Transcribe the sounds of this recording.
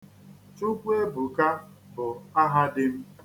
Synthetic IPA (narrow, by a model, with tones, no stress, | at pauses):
tu˦kʷe˦bʊ˨ka˦ | bʊ˨a˦ɦa˦dɪ˦m̩˦